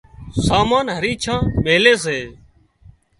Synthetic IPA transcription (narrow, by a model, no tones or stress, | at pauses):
saːmaːnɦəɾiːt͡ʃʰãːɓeːleːs̬eː